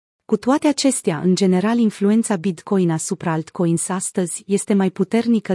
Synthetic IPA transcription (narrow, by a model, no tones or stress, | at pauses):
kut̪oat̪e̞at͡ʃe̞st̪eaʔɨ̰nd͡ʒe̞ne̞ɾalinflue̞nt̪sabid̪ko̞jnasupɾaalt̪ko̞jnsast̪əzʲje̞st̪e̞majput̪e̞rnikə